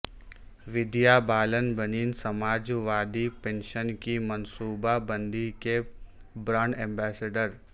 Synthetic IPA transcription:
ʋɪd̪jabaːlənbəniːnsɐmaːd͡ʒʋaːd̪ipẽːnʃənkimɐnsuːbabə̃nd̪ike | bɾaːɳɖɛ̃ːmbɛːseɖəɾ

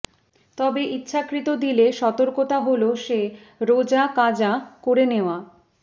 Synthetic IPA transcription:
t̪ɔbeʔitːɕʰakɾit̪od̪ileʃɔt̪oɾkot̪aɦoloʃe | ɾod͡ʑakad͡ʑakoɾeneoa

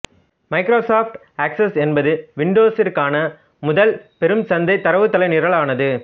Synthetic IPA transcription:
mɐɪkɾoːsaːfʈ | ɐːksɐsɛnbɐðɯʋɪɳɖoːsɪrkaːnɐ | mʊðɐlpɛɾɯmsɐnd̪ɐɪt̪ːɐɾɐʋɯt̪ːɐlɐɪnɪɾɐɭaːnɐðɯ

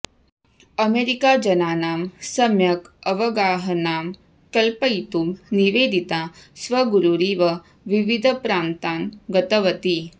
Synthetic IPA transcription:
ɐmeɾikaːd͡ʒɐnaːnaːmsɐmjɐkɐʋɐɡaːɦənaːm | kɐlpəjt̪umniʋeːd̪ʱit̪aːsʋɐɡuɾuɾiːʋɐ | ʋiʋid̪ʱəpɾaːnt̪aːnɡɐt̪ɐʋɐt̪i

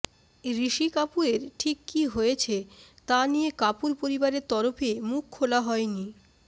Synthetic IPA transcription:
ɾiʃikapueɾʈʰikːiɦojet͡ɕʰet̪anijekapuɾpoɾibaɾeɾt̪ɔɾofemukʰːolaɦɔeni

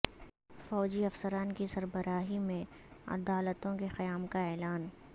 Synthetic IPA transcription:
fɔːd͡ʒiɐfsəɾaːnkisɐɾbəɾaːɦimẽ | ɐ̰d̪aːlət̪õkexɐjaːmkaɛːlaːn

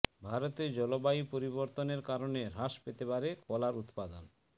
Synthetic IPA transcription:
bʱaɾot̪ed͡ʑɔlobaipoɾiβoɾt̪oneɾkaɾoneɾaʃpet̪epaɾekɔlaɾut̪pad̪on

